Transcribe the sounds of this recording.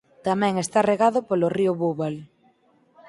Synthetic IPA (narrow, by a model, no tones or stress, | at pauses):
t̪amɛ̃ŋest̪areɣaðʊpoloriʊβuβal